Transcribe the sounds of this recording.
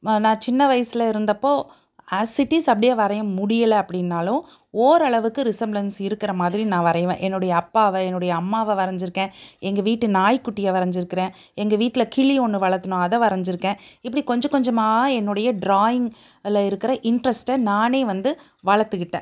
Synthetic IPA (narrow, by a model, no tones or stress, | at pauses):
nãːt͡ʃɪnːɐʋɐjɐsɪlɐɪɾɯnd̪ɐpːoː | ɐsɪʈːisɐpːɐɽɪjaːʋɐɾɐjɐmmʊɽɪjɐlɐɐpːɐɽɪnːaːlʊ̃ | oːɾɐɭɐʋɯkːɯɾɪsɐmblɐnsɪɾɯkːɪɾɐmaːðɪɾinãːʋɐɾɐjɐʋɛ̰̃ʔɛnːɯɽɐjɐːpːaːʋɐɛnːɯɽɐjɐːmːaːʋɐʋɐɾɐɲd͡ʒɪɾɯkːẽːɛŋɡɐʋiːʈːɯnaːjkːʊʈːɪjaʋɐɾɐɲd͡ʒɪɾɯkːɪɾẽː | ɛŋɡɐʋiːʈːɪlɐkɪɭɪjɔnːɯʋɐɭɐɾt̪ːɐnʊ̃ɐðɐʋɐɾɐɲd͡ʒɪɾɯkːẽːɪpːɐɽikɔɲd͡ʒɐ̃kɔɲd͡ʒɐmaːɛnːɯɽɐjɐɖɾaːjɪŋɡ | lɐɪɾɯkːɪɾɐʔɪɳɖɾɐsʈɐnaːneːʋɐnd̪ɯ | ʋɐɭɐɾt̪ːɯkɪʈːḛ̃ː